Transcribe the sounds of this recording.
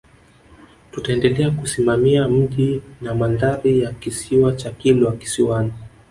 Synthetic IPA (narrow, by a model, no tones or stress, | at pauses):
tutaɛndɛlɛakusimamiam̩ʄinamandaɾijakisiwat͡ʃakilɔaki̥siwani